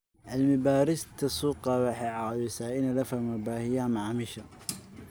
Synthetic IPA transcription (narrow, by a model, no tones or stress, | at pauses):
ʔɐlmɪbaːɾɪst̪ʰɐsuːqɑwɑħɛːʕɑwɪsaːʔɪnɐlɐfɐmɐbaːhɪjamaʕmɪʃɐ